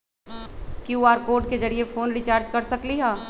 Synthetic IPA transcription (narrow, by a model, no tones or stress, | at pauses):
kjuːaːɾkoːɾʈked͡ʒɐɾiefoːnɾɪt͡ʃaːɾd͡ʒkɐɾsɐkliɦɛː